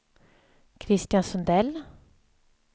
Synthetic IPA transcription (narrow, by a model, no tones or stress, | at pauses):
kʰɾɪst̪jɑnsɔnd̪ɛl